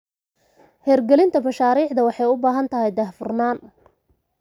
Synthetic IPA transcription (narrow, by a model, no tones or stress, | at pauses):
hɛːrɡɛlɪnt̪ʰɐbɐʃaːɾiːʕd̪ɐwɑħɑjʊbaːɦɐnt̪ʰɐɦɛjd̪ɐhfʊrnaːn